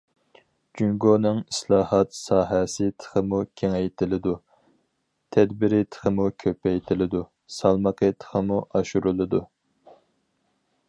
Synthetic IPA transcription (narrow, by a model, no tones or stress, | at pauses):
d͡ʒyŋɡonɨŋislˠɑːhɑt̪sɑːɦɛsɪt̪ʰə̥χʰəmukʲʰeŋɛjt̪ʰɪlɪd̪u | t̪ʰɛd̪bɪɾɪt̪ʰə̥χʰəmukʲʰøpɛjt̪ʰɪlɪd̪u | sɑlˠməqʰət̪ʰə̥χəmuʔɑʃuɾulˠɨd̪u